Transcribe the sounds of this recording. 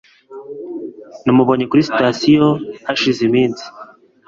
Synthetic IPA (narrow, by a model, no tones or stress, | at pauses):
nimuβoɲekuɾistasijohaʃizimiːnsi̥